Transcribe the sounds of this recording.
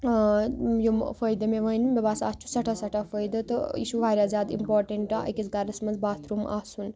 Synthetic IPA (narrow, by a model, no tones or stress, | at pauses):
jumfəjd̪ɐmeʋɐinbebaːsa̰ːst͡ʃʰu̥sɐʈʰasɐʈʰafəjd̪ɐt̪ɨḭːʃuʋʱaːɾʲjazjaːd̪ḭmpoːɾʈeɳʈaʔɐ̰kit͡sɡaɾɐsmɐnzbaːt̪ʰɾumʔa̰ːsun